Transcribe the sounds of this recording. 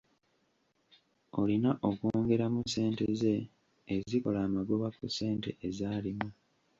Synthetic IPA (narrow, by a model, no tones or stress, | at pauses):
o̞linaʔo̞koːŋɡe̞ɾamuse̞ːnteze̞ː | ziko̞laːmaɡo̞βakusːe̞ːnte̞̰ʔezaːlimu